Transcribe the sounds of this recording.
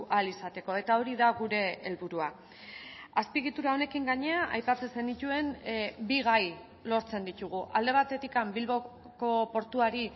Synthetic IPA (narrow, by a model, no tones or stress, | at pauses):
ʔalisat̪e̞ko̞e̞t̪ao̞ɾiðaɣuɾe̞ːlβuɾua | aspiɣit̪uɾao̞ne̞kiŋɡaɲe̞aʔajpat͡sese̞nd̪it̪ue̞mbiɣaj | lo̞ɾt͡se̞nd̪it̪uɣ̞uʔald̪e̞β̞at̪e̞t̪ikambilβo̞ | ko̞po̞ɾt̪uaɾi